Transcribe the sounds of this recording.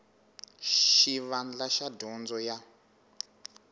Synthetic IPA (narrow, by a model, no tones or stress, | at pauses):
ʃiβand͡ɮaʃadɔnd͡zɔja